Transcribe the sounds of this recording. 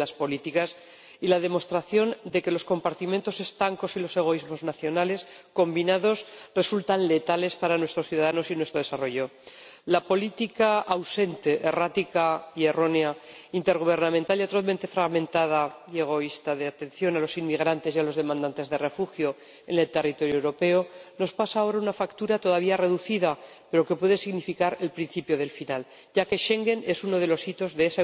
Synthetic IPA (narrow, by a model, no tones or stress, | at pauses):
laspo̞lit̪ikas | ilað̞e̞mo̞st̪ɾaθjo̞nd̪e̞ke̞lo̞sko̞mpaɾt̪iment̪o̞se̞st̪aŋko̞silo̞se̞ɣ̞o̞izmo̞znaθjo̞nale̞sko̞mbinaðo̞sre̞sult̪anle̞t̪ale̞spaɾanwest̪ɾo̞sθjuðaðano̞sinwe̞st̪ɾo̞ðe̞saro̞ʝo̞lapo̞lit̪ikaawse̞nt̪e̞ʔerat̪ikaie̞ro̞neaint̪eɾɣ̞uβ̞e̞ɾnãmẽnt̪aliat̪ɾoðment̪e̞fɾaɣmẽ̞nt̪að̞aje̞ɣ̞o̞ist̪aðe̞at̪e̞n̟θjo̞nalo̞sinmiɣ̞ɾant̪e̞sialo̞zðe̞mãnd̪ant̪e̞zðere̞fuxjo̞ | e̞ne̞lt̪e̞rit̪o̞ɾjowɾo̞pe̞ono̞spasaːo̞ɾaunafakt̪uɾat̪o̞ðaβ̞iare̞ðuθiða | pe̞ɾo̞ke̞pwe̞ðesiɣnifikaɾe̞lpɾinθipjo̞ð̞e̞lfinal | ɟ͡ʝake̞ʃe̞ŋɡe̞ne̞suno̞ð̞e̞lo̞sit̪o̞zðeesa